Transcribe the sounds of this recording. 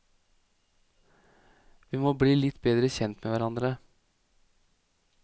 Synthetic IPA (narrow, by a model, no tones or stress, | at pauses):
ʋiːmoːbɽiːlɪt̪beːd̪ɾəçɛnt̪meːʋæɾɑnd̪ɾə